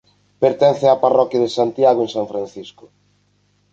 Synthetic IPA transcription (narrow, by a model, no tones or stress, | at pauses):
peɾt̪ɛnθeaparɔkjaðesant̪jaɣoẽnsaɱfɾan̟θiskʊ̥